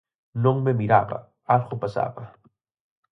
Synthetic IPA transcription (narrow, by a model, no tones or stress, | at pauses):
noŋmemiɾaba̰ | alxopasa̰pa